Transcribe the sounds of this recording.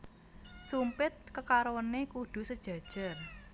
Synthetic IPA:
sumpɪt̪̚kəkaɾowənekuɖ̪̥ṳsəd̥ʒ̥ä̤d̥ʒ̥a̤r

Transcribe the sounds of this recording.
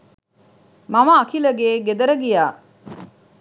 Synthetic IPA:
mamɐːkilɐɡeːɡed̪ɐɾəɡijaː

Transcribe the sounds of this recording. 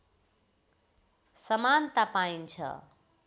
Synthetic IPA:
sʌmant̪apaint͡sʰʌ̰

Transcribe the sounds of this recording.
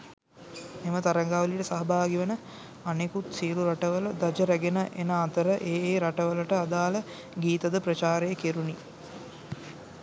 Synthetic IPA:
emət̪aɾɐŋɡaːʋəliʈəsaɦɐbʱaːɡiʋənə | anekut̪siːɾuɾaʈəʋələd̪ad͡ʒəɾæɡenəʔenəːt̪əɾəʔeːeːɾaʈəʋələʈəad̪aːlə | ɡiːt̪ɐd̪əpɾɐt͡ʃaːɾejːkeɾuni

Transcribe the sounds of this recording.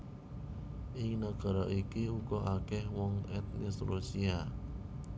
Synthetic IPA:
ʔɪŋnaɡ̥a̤ɾɔʔikiukɔʔakɛhwɔŋɛt̪̚nɪsrusia

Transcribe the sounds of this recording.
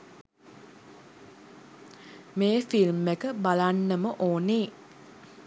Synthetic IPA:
meːfilmːekəbalanːəməʔoːneː

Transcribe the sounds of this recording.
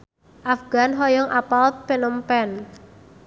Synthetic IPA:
ʔafɡ̥a̤nɦɔjɔŋʔapalt̪̚penəmpɛn

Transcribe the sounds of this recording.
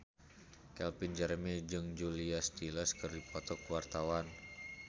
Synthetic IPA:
kɛlpind͡ʒɛɾmɛd͡ʒɨŋd͡ʒuliast̪iləskɨrdipɔt̪ɔkwart̪awan

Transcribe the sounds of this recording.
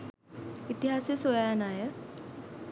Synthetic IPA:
it̪iɦasesojanajə

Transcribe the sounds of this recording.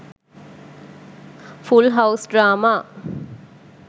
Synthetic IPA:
fulɦawsɖɾaːmaː

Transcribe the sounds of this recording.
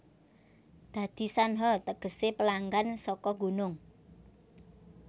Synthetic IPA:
d̪̥ä̤d̪̥i̤sanɦɔt̪əɡ̥ə̤sepəlaŋɡansɔkɔɡṳnʊŋ

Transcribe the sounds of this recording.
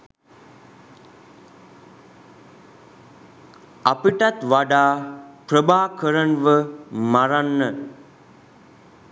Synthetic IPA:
apəʈat̪ʋaɖaːprəbaːkəɾənʋəmaɾanːə

